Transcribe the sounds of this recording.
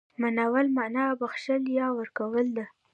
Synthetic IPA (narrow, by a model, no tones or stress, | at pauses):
manawəlmanɑbaxʃəljɑwəɾkawəld̪a